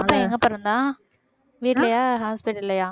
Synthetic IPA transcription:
ɐpːɐ̃ːɛŋɡɐpɐɾɯnd̪ãː | ʋiːʈlɐjaːɦaːspɪʈɪlːɐjaː

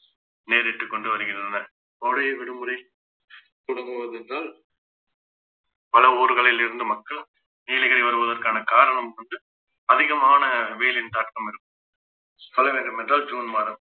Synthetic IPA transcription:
neːɾɪʈːɯkːɔɳɖɯʋɐɾɯɣɪndrɐnɐ | oːɽɐjɐʋɪɽɯmɯɾɐɪ | t̪ʊɽɯŋɡɯʋɐðɛndraːl | pɐlɐoːɾɯɣɐɭɪlɪɾɯnd̪ɯmɐkːɐɭ | niːlɐɣɐɾɐɪʋɐɾɯʋɐðɐrkaːnɐkaːɾɐɳɐmkɔɳɖɯ | ɐðɪɣɐmaːnɐʋeːlɪnt̪aːʈkɐmɪɾɯkːɯ | kɐlɐʋeɾɐmɛndraːld͡ʒuːnmaːɾɐm

